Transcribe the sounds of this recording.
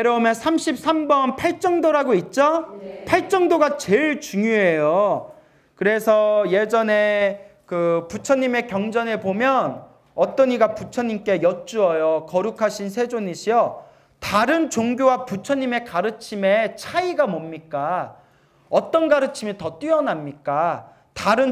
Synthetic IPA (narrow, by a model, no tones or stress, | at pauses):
eɾʌumjʌnsʰamɕʰip̚s͈ʰambʌnpʰaɭt͡ɕ͈ʌŋdoɾaɡoit̚t͡ɕ͈opʰaɭt͡ɕ͈ʌŋdoɡat͡ɕeɭt͡ɕuŋjoɦe̞jo | kɯɾe̞sʰʌje̞d͡ʑʌne̞kɯput͡ɕʰʌɲːime̞kjʌŋd͡ʑʌne̞pomjʌn | ʌt͈ʌɲiɡaput͡ɕʰʌɲːimk͈e̞jʌt͡ɕ͈uʌjokʌɾukʰaɕʰinsʰe̞d͡ʑoɲiɕʰijʌ | taɾɯnt͡ɕoŋɡjowaput͡ɕʰʌɲːime̞kaɾɯt͡ɕʰime̞t͡ɕʰaiɡamʌmɲik͈a | ʌt͈ʌnɡaɾɯt͡ɕʰimitʌt͈ɥiʌnamɲik͈a | taɾɯn